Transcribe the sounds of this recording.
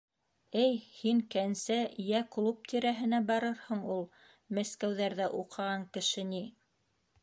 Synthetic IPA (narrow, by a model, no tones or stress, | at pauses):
ɘjhiŋkænsæjæklˠup̚t̪ʰiɾæɦɘ̆næbɑɾɤɾhɤɴulˠ | mæskæwðæɾðæʔuqʰɑʁɑŋkɘ̆ʃɘ̆ni